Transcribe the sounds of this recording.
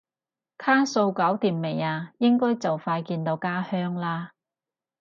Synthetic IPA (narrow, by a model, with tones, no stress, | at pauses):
kʰaː˥so˧wkɐ˨˥wt̪iː˨˩mme˨˩jaː˧jɪ˥ŋkɔː˥jt͡sɐ˨wfaː˧jkiː˧nt̪o˧wkaː˥hœː˥ŋlaː˥